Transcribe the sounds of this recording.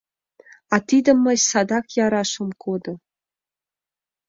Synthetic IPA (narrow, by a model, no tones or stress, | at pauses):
ɑt̪id̪ə̆mːə̆ɕsɑd̪ɑkjɑɾɑʃə̆mkʰod̪ɤ̆